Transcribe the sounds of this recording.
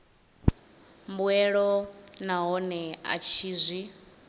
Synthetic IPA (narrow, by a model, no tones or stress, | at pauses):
mbwɛɺɔnaɦɔnɛa̰t͡ʃʰiːzʷi